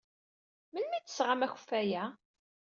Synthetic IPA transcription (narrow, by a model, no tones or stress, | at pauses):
mənmæt̪ːə̥sʁamæçə̥fːæjæ